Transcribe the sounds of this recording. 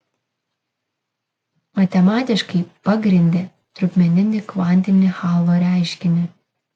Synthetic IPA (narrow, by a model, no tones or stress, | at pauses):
mɐt̪ʲɛmɑːt̪ʲɪʃkɐɪpɑɡɾʲɪnʲd̪ʲe | t̪ɾʊpʲmʲɛnʲɪnʲɪkʋɑˑnʲt̪ʲɪnʲɪxɑːlˠoːɾʲæˑɪʃʲkʲɪnʲɪ